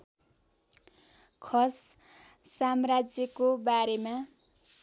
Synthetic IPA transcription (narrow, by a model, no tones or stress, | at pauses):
kʰʌs | samrad͡zjʌkobaɾema